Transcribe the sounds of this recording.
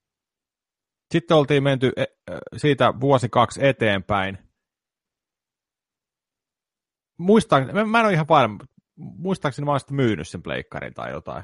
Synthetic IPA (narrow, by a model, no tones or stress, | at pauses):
sit̪ːeolt̪iːmment̪yʔe | siːt̪æʋuosikɑkset̪eːmpæin | muist̪ɑˑkemæenoihɑʋpɑrm | muist̪ɑksinmæonsi̥t̪myːny̰ssemplḛikːɑ̰rḭnt̪ɑ̰ḭjo̰t̪ɑ̰i